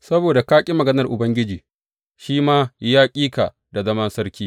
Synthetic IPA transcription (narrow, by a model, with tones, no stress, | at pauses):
sɐ˦boː˨da˨kaː˦kʲʼi˦mɐ˨ɡɐ˦nɐ˨rʔʊ˨bɐ˦ŋɡʲɪ˦d͡ʒiː˨ | ʃiː˦maː˦jaː˦kʲʼiː˦ka̰˨ | da˨zɐ˦mɐ˦nsɐ˦rkʲiː˦